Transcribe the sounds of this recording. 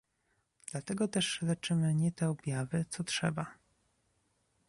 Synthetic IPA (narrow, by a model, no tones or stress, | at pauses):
d̪̥lat̪ɛɡɔt̪ɛʂlɛt͡ʂɘmɘɲɛt̪ɛɔbʲjavɘt̪sɔtʂɛ̰ba